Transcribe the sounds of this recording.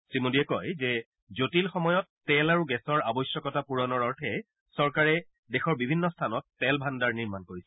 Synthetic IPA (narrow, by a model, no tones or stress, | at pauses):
sɹimodiɛkɔjzɛ | zotilxɔmɔjɔtːɛlaɹuɡɛsɔɹabɔjsjɔkɔtapuɹɔnɔɹɔɹtʰɛ | sɔɹkaɹɛ | dexɔɹbibʱinːɔstʰanɔtːɛlbʱandaɹniɹmankoɹisɛ